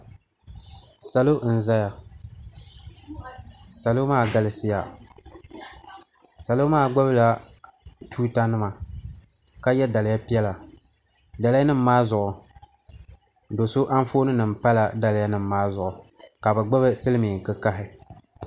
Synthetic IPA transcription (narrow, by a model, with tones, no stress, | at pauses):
sa˨lo˦n̩˨za˦ja˨ | sa˨lo˦maː˦˨ɡa˦lɪ˦sɪ˦ja˨ | sa˨lo˦maː˦˨ɡ͡ba˦βla˨ | tuː˦ta˦nɨ˦ma˨ | ka˦jɛ˦da˨lɪ˨ja˦pi˦ɛ˦la˨ | da˨lɪ˦ja˦nɨ˦m̩ː˦aː˦zʊ˨ʔʊ˨ | do˨so˦ʔa˦ɱ˦foː˦nɨ˦nɨ˨m̩˨pa˦la˨da˦lɪ˨˦ja˦nɨ˨mː˦aː˦zʊ˨ʔʊ˨ka˨bɛ˨ɡ͡ba˦βɨ˦sɨ˦lɨ˦mi˨ŋ˨kɨ˦ka˦ɦɪ˨